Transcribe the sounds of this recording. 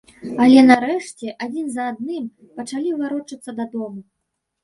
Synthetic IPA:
ɐlʲɛnaɾɛʂt͡sʲɛʔad͡zʲinzɐad̪̚nɨm | pɐt͡ʂalʲivaɾɔt͡ʂɐt̪sːɐd̪ad̪ɔmu

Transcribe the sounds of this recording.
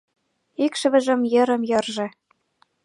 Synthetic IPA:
ikʃə̆βə̆ʒə̆mjɤ̆ɾə̆mjɤ̆rʒɤ̆

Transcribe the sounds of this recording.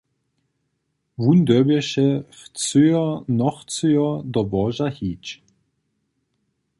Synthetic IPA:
vund̪œbɛʃɛft͡søɔnɔxt͡søjɔd̪ɔbɔʒahiːt͡ʃ

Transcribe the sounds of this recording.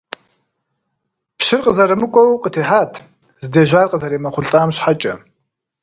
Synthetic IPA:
pʃɪrqʼəzɐɾɨmɨkʷʼɔwqʼətʰeːħaːtʰ | zɨdeːʒaːrqʼəzɐɾeːmɐχʷʊɮɬʼaːmɕħat͡ʃʼɐ

